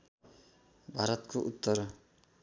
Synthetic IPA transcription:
bʱaɾʌt̪kʰoʔut̪ːʌr

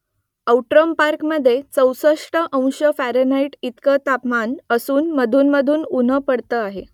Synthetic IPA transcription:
əwʈɾəmpaɾkməd̪ʱːjet͡səwsəʂʈəʔə̃w̃ɕəfæɾonaiʈit̪kət̪apmanəsuːnməd̪ʱuːnməd̪ʱuːnun̤əpəɽt̪əːaɦe

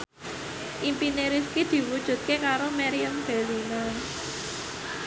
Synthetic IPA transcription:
ʔimpineɾiskid̪̥i̤wud̥ʒ̥ṳt̪̚kekaɾomɛɾiəmb̥e̤linan

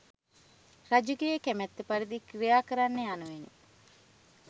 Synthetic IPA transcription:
rad͡ʒuɡejəkæmɛt̪ːepaɾid̪ikrijaːkəɾanːeanuʋene

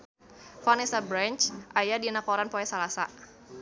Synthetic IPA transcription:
fanisabɾant͡ʃʔajadinakɔɾanpɔɛsalasa

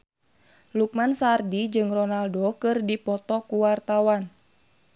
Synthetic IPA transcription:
luk̚mansardid͡ʒɨŋrɔnaldokɨrdipɔt̪ɔkuwart̪awan

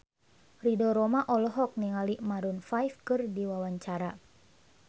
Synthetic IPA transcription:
ridɔɾɔmaʔɔlɔɦɔk̚niŋalimaɾunfajfkɨrdiwawaɲt͡ʃaɾa

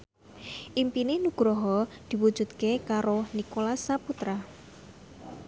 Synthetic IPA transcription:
ʔimpinenuɡ̥ɾɔɦɔd̪̥i̤wu̥ʒ̥ṳt̪̚kekaɾonikolasaput̪ɾa

